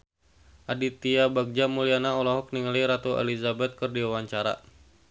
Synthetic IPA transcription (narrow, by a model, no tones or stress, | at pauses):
ʔadit̪iabaɡ̚d͡ʒamulianaɔlɔɦɔk̚niŋaliɾat̪uɛ̰lizabɛt̪̚kərdiwawaɲt͡ʃaɾa̰